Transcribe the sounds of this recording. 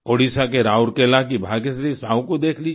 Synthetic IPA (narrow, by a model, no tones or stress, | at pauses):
oːɽiːsakeɾaːʊɾkelakibʱaːkesɾisaːũkod̪eːkʰliː